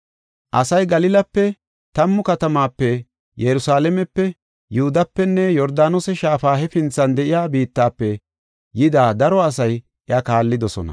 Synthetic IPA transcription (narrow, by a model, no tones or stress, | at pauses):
ʔɐsɐjɡɐlɪlɐpːɛ | t̪ɐmːʊkɐt̪ɐmaːpːɛ | jɛɾʊsaːlɛmɛpːɛ | jʊhʊd̪ɐpːɛnːɛjɔɾd̪aːnosɛʃaːfaːhɛfɪnt͡sːɐnd̪ɛʔɪjaːbiːt̪ːaːpːɛ | jɪd̪aːd̪ɐɾɔɐs̬ɐj | ʔɪɐkaːlːɪd̪ɔsɔ̰nɐ̰